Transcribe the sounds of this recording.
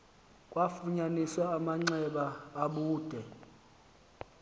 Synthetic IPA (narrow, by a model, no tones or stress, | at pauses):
kʼwafuɲaniswaːmaŋ͡ǀɛɓaːɓuːd̥ʱɛ